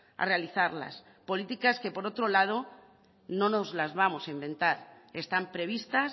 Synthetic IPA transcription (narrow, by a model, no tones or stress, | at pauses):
a̰re̞aliθaɾla̰s | po̞lit̪ikaske̞po̞ɾo̞t̪ɾo̞lað̞o̞ | no̞no̞zlazβamo̞saimbẽ̞nt̪aɾe̞st̪ampɾe̞β̞ist̪as